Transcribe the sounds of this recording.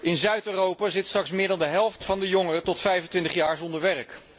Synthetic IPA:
ɪnzœɥtøːrowpaːzɪtstrɑksmɪːɹdɑndəɦɛlˠftfɑndəjoŋərətɔtfɛjvəntʋɪntəχjaːɹzɔndəɹʋɛrk

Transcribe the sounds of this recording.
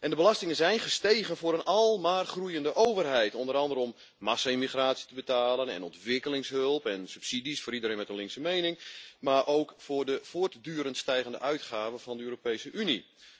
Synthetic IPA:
ʔɛndəbəlastɪŋənzɛjnχəsteːɣənvʊːɾənʔɑlˠmaːrχrujəndəʔowvərɦɛjtɔndəɾɑndəɾəɔmː | asaimiχraːtsi̥təbətaːlənɛ̰nɔntʋɪkəlɪŋsɦɵlˠpɛnsʉpsidisfʊːɾidəɾẽːnmɛtənlɪŋksəmejnɪŋmarʔowkfʊːrdəv̥oːrtdyːɾəntstɛjɣəndə̰ʔœɥtχaːvənvɑndəøːropejsəʔyni

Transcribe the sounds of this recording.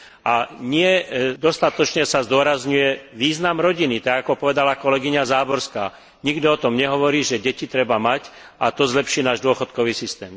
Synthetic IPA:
ʔaɲɪɛd̪ɔst̪at̪ɔt͡ʃɲɛsazd̪ʊɔɾazɲujɛʋiːznamɾɔɟinit̪aɡakɔpɔʋɛd̪alakɔlɛɡiɲazaːbɔɾskaː | ɲiɡd̪ɔɔt̪ɔmɲɛɦɔʋɔɾiːʒɛɟɛcit̪ɾɛbamac | at̪ɔzlɛpʃiːnaːʒd̪ʊɔxɔt̪kɔʋiːsist̪ɛːm

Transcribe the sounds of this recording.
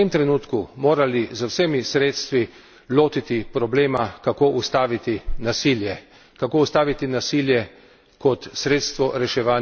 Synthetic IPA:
t̪emt̪ɾɛnuːt̪kumoːɾalizəwsemisɾeːt̪st̪ʋi | loːt̪it̪ipɾɔbleːmakakoːʔust̪aːʋit̪inasiljɛ | kakoːust̪aːʋit̪inasiːljɛ | kɔt̪sɾeːt̪st̪ʋɔɾɛʃɛʋaːn

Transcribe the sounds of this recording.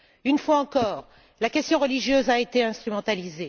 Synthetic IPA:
ynfwaɑ̃kɔːʁ | lakʲɛst̪jɔ̃ʁəliʒjøzaet̪eɛ̃st̪χymɑ̃t̪alize

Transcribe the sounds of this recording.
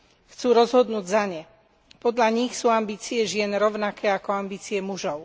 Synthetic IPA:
xt͡suːɾɔzɦɔd̪nuːɟzaɲɛ | pɔd̪ʎaɲixsuːambiːt͡siɛʒɪɛnɾɔʊnakɛːakɔambiːt͡siɛmuʒɔʊ

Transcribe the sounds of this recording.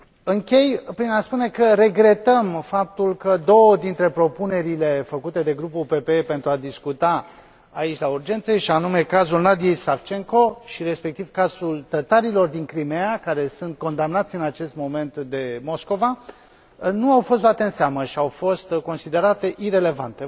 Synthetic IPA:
ɨŋkʲe̞jpɾinaspune̞kəɾe̞ɡɾe̞t̪əmfap̚t̪ulkəd̪o̞wəd̪int̪ɾe̞pɾo̞pune̞ɾile̞fəkut̪e̞d̪e̞ɡɾupulpe̞peepe̞nt̪ɾuad̪iskut̪aː | it͡ʃʲlaurd͡ʒe̞nt̪səjeʃianume̞kazulnad̪ijejsaft͡ʃe̞ŋko̞ʃiɾe̞spe̞k̚t̪ivkazult̪ət̪aɾilo̞rd̪iŋkɾimeakaɾe̞sunt̪̚ko̞nd̪amnat̪sʲɨnat͡ʃe̞st̪mo̞me̞nt̪d̪e̞mo̞sko̞va | nuawfo̞st̪lat̪e̞ɨnseaməʃiawfo̞st̪ko̞nsid̪e̞ɾat̪e̞ʔiɾe̞le̞vant̪e̞

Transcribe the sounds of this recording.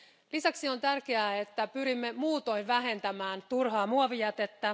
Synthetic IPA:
lisæksio̞nt̪ærkeæːet̪ːæpyɾimːemuːt̪o̞inʋæɦe̞nt̪æmæːnt̪urɦɑːmuɑʋijɑt̪e̞t̪ːæ

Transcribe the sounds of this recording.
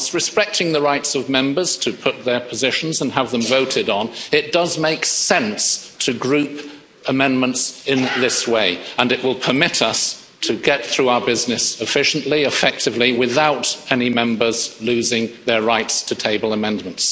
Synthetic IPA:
sɹɨspɛk̚tʰɪ̃ŋðəɹaɪtsʌvmɛ̃mbə˞z̥tʰɨpʰʊt̪̚ðə˞pʰəzɪʃn̩zə̃n̩əvðə̃mvoʊɾɨɾn̩ɪt̚d̥ʌzmeɪksɛ̃nstʰɨɡɹʉp | əmɛ̃nmə̃ntsɪ̃nðɪsweɪə̃nɨʔ̚wɪlˠpʰə˞mɪɾʌs | tʰɨɡɛt̪̚θɹʉaʊə˞bɪznɨsɨfɪʃn̩ʔliɨfɛk̚tʰɨvliwɪðaʊɾɛnimɛ̃mbə˞zlʉzɪ̃ŋðə˞ɹaɪtstʰɨtʰeɪbl̩ˠəmɛ̃nmə̃nts

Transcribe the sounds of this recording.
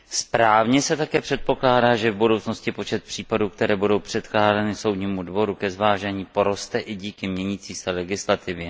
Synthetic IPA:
spɾaːvɲɛsɛt̪akɛːpr̥ɛt̪̚po̞klaːdaːʒɛvbudo̞wt͡sno̞scɪpo̞t͡ʃɛt̪̚pr̥iːpaduːkt̪ɛɾɛːbudo̞wpr̥ɛt̪klaːdanɪso̞wdɲiːmudvo̞ɾukɛzvaːʒɛɲiːpo̞ɾo̞st̪ɛʔɪɟiːkɪmɲɛɲiːt͡siːsɛlɛɡɪslat̪ɪvjɛ

